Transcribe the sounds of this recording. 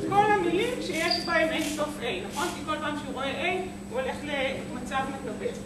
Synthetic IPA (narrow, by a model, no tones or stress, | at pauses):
ko̞lhamilimʃejeʃbaemejnso̞fʔejnaχo̞nkiko̞lpaːmʃeuʁo̞eʔej | uole̞χle | mat͡savmeɡabe